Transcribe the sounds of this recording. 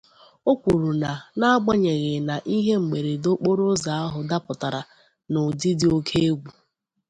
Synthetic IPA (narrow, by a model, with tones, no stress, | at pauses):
o˦kʷu˨ɾu˨na˨na˦ɡ͡ba˦ɲe˨ɣɪ˨na˨ʔi˦ɦe˦ŋ͡m̩˨ɡ͡be˨ɾe˨do˦k͡po˦ɾo˦za˨a˦ɦʊ˨da˦pʊ˨ta˨ɾa˨ | nʊ˨dɪ˦dɪ˦o˦kʰe˦e˦ɡʷu˨